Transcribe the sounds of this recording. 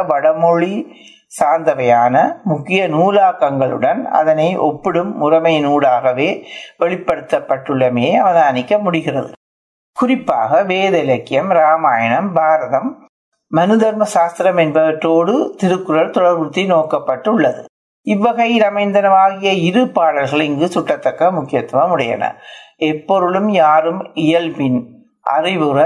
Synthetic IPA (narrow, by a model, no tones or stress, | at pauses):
ʋɐɽɐmɔɻi | saːnd̪ɐʋɐjaːnɐmʊkːɪjɐnuːlaːkːɐŋɡɐɭɯ̰ɽɐnɐ̰ðɐnɐɪʔɔ̰pːɪɽɯmːʊrɐmɐɪnuːɽaːɣɐʋeːʋɛɭɪpːɐɽɯt̪ːɐpːɐʈːɯɭːɐmeːɐʋɐðaːnɪkːɐmʊɽɪɣɪrɐðɯ̰ | kʊrɪpːa̰ːɣɐʋeːðɐlɐkːɪjɐmɾaːmaːjɐɳɐmbʱaːɾɐðɐmː | ɐnɯðɐɾmɐʃaːst̪ɪɾɐmɛnbɐʋɐʈːroːɽɯt̪ɪɾɯkːɯɾɐɾt̪ɔɽɐɾʋɯt̪ːinoːkɐpːɐʈːʊɭːɐðɯ̰ | ɪʋːɐɣɐjɪlɐmɐɪnd̪ɐnɐʋaːɣɪjɐɪɾɯpːaːɽɐlɣɐɭɪŋɡɯsʊʈːɐt̪ːɐkːɐmʊkːɪjɐt̪ːmɐmʊɽɐjɐ̰nɐ̰ɛpːɔɾɯɭɯmjaːɾɯmɪjɐlpɪn | ʔɐ̰rɪʋɯɾɐ